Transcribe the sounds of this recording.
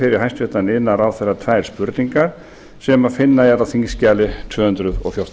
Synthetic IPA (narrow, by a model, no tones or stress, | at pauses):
fɪɾɪɾ̥ɦajnst̪vɪht̪anɪnːaɾawθɛrːat̪ʰvajɾ̥spʏɾt̪niŋkaɾ̥ | sɛmaðfɪnːaɛɾawθiŋscaːlɪt̪ʰvœːhʏnt̪ɾʏðɔ̰ɣfjaw̥t̪